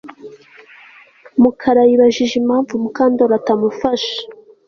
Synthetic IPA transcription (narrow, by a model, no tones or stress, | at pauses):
mukʰaɾajiβaʒiʒimaːɱvumukaːndoɾatamufaʃḁ